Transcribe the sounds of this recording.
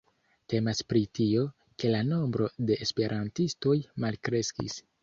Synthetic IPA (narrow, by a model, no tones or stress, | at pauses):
te̞maspɾitio̞ | ke̞lano̞mbɾo̞de̞ːspe̞ɾʔantisto̞jmalkɾe̞skḭs